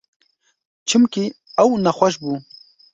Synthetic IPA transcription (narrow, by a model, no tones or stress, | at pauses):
t͡ʃʰɨmkiɐwnɐxʷɐʃ̬bu